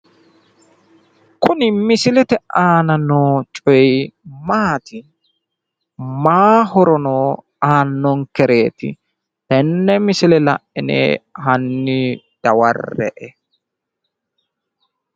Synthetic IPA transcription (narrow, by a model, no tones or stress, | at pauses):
kʰʊnɪmɪsɪlɛt̪ɛʔaːnɐnoːt͡ʃʼɔjmaːt̪ɪ | maːhɔɾɔnoː | aːnːɔŋkɛɾe̞ːt̪ɪ̰ | ɛnːɛmɪsɪlɛlɐ̰ʔːɪnḛːɦɐnːɪ | d̪̥ɐwɐ̰rːɛ̰ʔɛ